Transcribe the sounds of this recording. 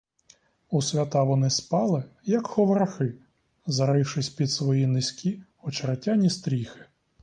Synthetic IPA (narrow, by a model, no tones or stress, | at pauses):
usʲʋʲɐt̪ɑʋɔnɪspɑlˠɪjɐkxɔʋɾɐxɪ | zɐɾɪʃɪsʲpʲid̪sʋɔjinɪsʲkʲʰi | ɔt͡ʃɐɾɐtʲanʲist̪ɾʲixɪ̥